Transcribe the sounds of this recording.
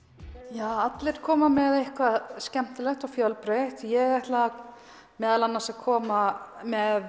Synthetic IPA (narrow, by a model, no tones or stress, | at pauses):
jaːat̪lɪɾ̥kʰɔːmamɛðejhkʰvascɛm̥t̪ɪlɛht̪ɔfjœlpɾeht̪jɛɣɛht̪la | mɛːðalanːasaðkʰɔːmamɛð